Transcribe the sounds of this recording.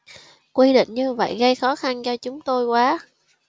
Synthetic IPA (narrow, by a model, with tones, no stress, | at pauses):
kwi˧ɗḭ˧˨ŋ̟ɲɨ˧və̰˧˨jɣə˧jxɔ˨˦xa˧nt͡ɕɔ˧t͡ɕʊ˨˦ŋ͡mt̪o˧jkwaː˨˦